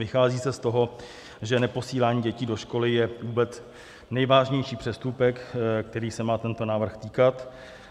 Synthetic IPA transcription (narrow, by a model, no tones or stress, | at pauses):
vɪxaːziːsɛst̪o̞ɦo̞ | ʒɛnɛpo̞siːlaːɲiːɟɛciːdo̞ʃko̞lɪjɛvuːbɛt͡s | nɛjvaːʒɲɛjʃiːpr̝̥ɛst̪upɛkkt̪ɛɾiːsɛmaːt̪ɛnt̪o̞naːvr̩xt̪iːkat̪